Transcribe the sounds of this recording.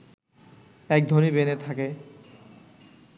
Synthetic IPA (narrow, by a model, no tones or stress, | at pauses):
ɛk̚d̪ʱonibenet̪ʰake